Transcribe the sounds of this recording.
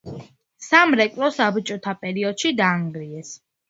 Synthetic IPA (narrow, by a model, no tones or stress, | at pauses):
samɾɛkʼlɔsabt͡ʃʼɔt̪ʰapʼɛɾiɔd̪̥ʃid̪aːŋɡɾiɛs